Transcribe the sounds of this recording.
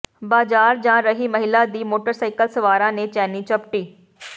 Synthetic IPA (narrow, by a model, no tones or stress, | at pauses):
baːzaːɾd͡ʒãːɾɐɦimɐɦɪlad̪iːmoːʈəɾsaːɪkəlsɐʋaːɾãnẽt͡ʃɛːnit͡ʃɐp̚ʈiː